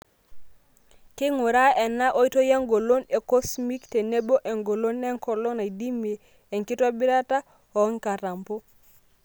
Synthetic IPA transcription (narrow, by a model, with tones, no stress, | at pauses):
kɪ˦ŋu˨ɾa˦ɛ˨na˦ʔo˦i˦to˦ja˦ŋɡo˨lo˦ne˨ko˦smi˦kte˨ne˦bo˦ʔe˨ŋɡo˨lo˦nɛ˦ŋkɔ˨lo˦na˨di˦meː˨ | ŋkɪ˦tɔ˦bɪ˦ɾa˦ta˦ | ɔ˨˦ŋka˨ɾa˨mpo˦